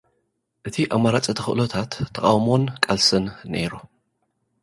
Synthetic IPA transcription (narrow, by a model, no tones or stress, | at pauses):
ʔɨt̪ʰiʔamːaɾat͡sʼɨt̪ʰɐxɨʔlot̪ʰat̪ʰːɐkʼawmo̞nkʼalsɨnːḛɾu